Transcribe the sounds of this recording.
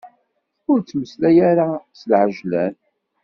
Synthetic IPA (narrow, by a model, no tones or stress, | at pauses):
ʊɾt͡sːməslæjaɾasəlʕəʒlæ̰n